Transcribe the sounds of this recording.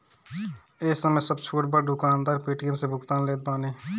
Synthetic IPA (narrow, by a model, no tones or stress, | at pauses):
eːsəməjsəbt͡ʃʰoːʈbəɾɖʊkaːnd̪aːɾpiːʈiəmsebʱʊkt̪aːnleːt̪̚baːneː